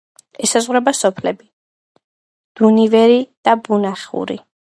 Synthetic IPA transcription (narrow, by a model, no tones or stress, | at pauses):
ɛsazʁwɾɛbasɔpʰlɛbi | d̪̥univɛɾid̪̥abunaχṵɾḭ